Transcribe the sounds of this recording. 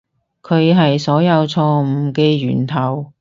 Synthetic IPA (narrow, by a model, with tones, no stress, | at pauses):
kʰɵ˨˧ɥɦɐ˨jsɔː˨˥jɐ˨˧wt͡sʰɔː˧m̩˨˩keː˧ɥyː˨˩nt̪ʰɐ˨˩w